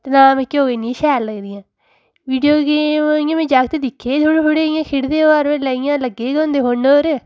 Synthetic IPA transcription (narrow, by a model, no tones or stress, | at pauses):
t̪nãːmɛ̃ːkeoːɡeːnĩʃɛːlːəɡd̪ɪjãː | ʋiːɖijoːɡeːmijãːmẽːd͡ʒaːk̚t̪eːd̪ɪkʰːeːd̪ʰoɽɦoɽeːɪjãːkʰɪɽd̪eːoaːɾʋeləːɪjãːləɡeːɡõːnd̪eːɦoːɳoːɾ